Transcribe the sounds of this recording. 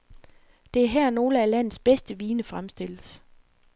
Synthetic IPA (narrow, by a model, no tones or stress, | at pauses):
d̥e̝æɐɦæɐ̰no̝ːləælæn̰ð̩ˠsb̥esd̥əʋiːnəfʁamsd̥e̝l̰əs